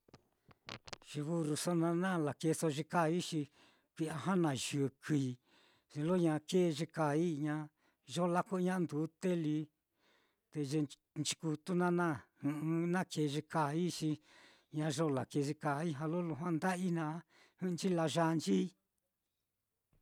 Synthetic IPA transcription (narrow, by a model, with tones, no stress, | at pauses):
ʒ̥i˧βu˧ɾu˧so˦nã˧nã˦˨la˨ke˧so˧ʒi˧ka˦˨˧i˦ʃi˧ | kʷi˧ʔa˧ɦa˦nã˧ʒɨ˨ki˧˨˧ | ʐi˧lo˦ɲã˧ke˦˧ʒe˧ka˨i˦ɲã˧ | ʒo˦la˦ku˦˧ɲã˦˧nd̪u˨˦t̪e˦li˧˦ | t̪e˧ʒe˧ | nt͡ʃi̥˧ku˧t̪u˦nã˦nã˦hɨ̃˧ɨ˧nã˦ke˧˨˧ʒe˧ka˧˨i˦ʂi˧ | ɲã˧ʒo˦la˨ke˧ʒi˧ka˧˨i˦ɦã˧lo˦lu˧ɦwã˦nd̪a˦ʔi˦nã˧˦ | hɨ̃˦˧nt͡ʃi˦la˧ʒa˧nt͡ʃi˦